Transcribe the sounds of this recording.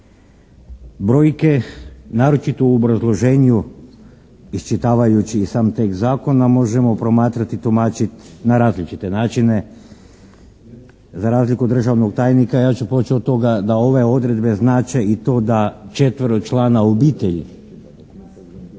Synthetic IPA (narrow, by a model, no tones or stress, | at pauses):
bɾo̞ːjke̞naːɾo̞t͡ʃit̪ouobɾazlˠo̞ʒe̞ːɲu | ist͡ʃit̪aːʋajut͡ʃiːsaːmt̪ek̪zaːko̞namo̞ʒe̞mo̞pɾo̞maːt̪ɾat̪it̪omaːt͡ʃit̪naɾaːzlit͡ʃit̪e̞naːt͡ʃine | zaɾaːzlikud̪r̩ʒaʋnoɡ̚t̪aːjnikajaːt͡ʃupot͡ʃiot̪t̪ːo̞ɡad̪ao̞ʋe̞o̞d̪ɾe̞d̪be̞znaːt͡ʃeit̪o̞ːd̪at͡ʃe̞t̪ʋəɾoɡt͡ʃlˠaːnaobiːt̪eʎḭ